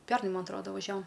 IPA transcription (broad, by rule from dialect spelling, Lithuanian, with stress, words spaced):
ˈpʲærnɐɪ ˈmɐn ɐˈtroːdɐ ʋɐˈʒʲæːʋoːm